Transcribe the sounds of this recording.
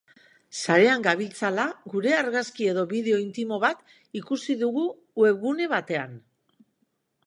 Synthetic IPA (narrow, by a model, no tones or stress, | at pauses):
saɾe̞aŋɡaβilt͡salaɣuɾe̞aɾɣaskie̞ðo̞βiðe̞o̞int̪imo̞βat̪ | ikusiðuɣu | we̞βɣune̞β̞at̪e̞an